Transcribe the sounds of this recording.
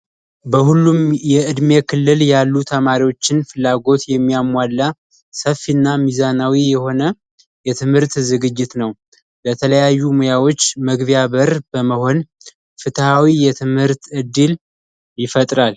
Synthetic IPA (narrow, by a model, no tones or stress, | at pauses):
bəhulːumjɛʔɨd̪mekʰɨlːɨljalːut̪ʰəmaɾiwo̞t͡ʃːɪnfɨlːaɡo̞t̪jɛmːijamalːa | səfinːamizanawijɛho̞nə | jɛt̪ʰɨmhɨɾt̪zɨɡɨd͡ʒːɪt̪nəw | bət̪ʰələjajːumojawo̞t͡ʃːməɡβijaβəɾb̥əməho̞n | fɨt̪ʰhawijɛt̪ʰɨmhɨɾt̪ɨd̪ːɨl | jɪfət̪ʼɾal